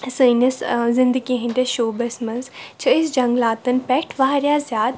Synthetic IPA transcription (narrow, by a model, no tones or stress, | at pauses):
sɨnɐszɪ̃nd̪əɡiɦĩnɖʲeʃoːbɐsmɐnzt͡ʃʰɐisd͡ʒɐ̃ŋɡlaːt̪ɐnpɛkʈʰʋaːɾjaːzjaːd̪